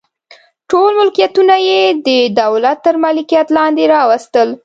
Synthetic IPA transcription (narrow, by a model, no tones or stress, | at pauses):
ʈolmʊlkijat̪unajed̪əd̪awlat̪ːəɾmɑlikijat̪lɑnd̪eɾɑwast̪əl